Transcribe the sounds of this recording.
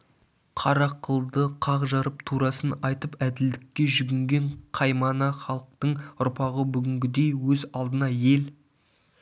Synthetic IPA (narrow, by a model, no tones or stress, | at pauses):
qʰɑɾɑqəlˠd̪əqʰɑʁʒɑɾəpt̪ʰuɾɑsənɑjt̪əpæd̪ɪld̪ɪkʲːe̞ʒʏɡʲɪŋɡʲe̞ɴqʰɑjmɑnɑχɑlˠəq̚t̪əɴʊɾpɑʁəbʏɡʲɪŋɡʲɪd̪e̞jwɵzɑlˠd̪ənɑje̞l